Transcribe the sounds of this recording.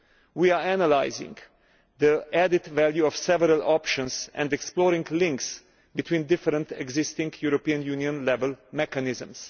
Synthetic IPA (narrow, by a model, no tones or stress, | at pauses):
wiaænəlaɪzɪ̰̃ŋɡ | ðəʔæd̪ɪt̪væljuɔfsɛvəɾalɔpʃə̃nsʔɛ̰̃nd̪ɛksplɔɾɪ̃ŋɡlɪ̃ŋks | bɪt̪ʰwĩːnd̪ɪfəɾə̃nt̪ɛ̰ɡzɪst̪ɪ̃ŋɡjuɾɔpiə̃njuniə̃nlɛvɛlˠmɛkanɪzə̃ms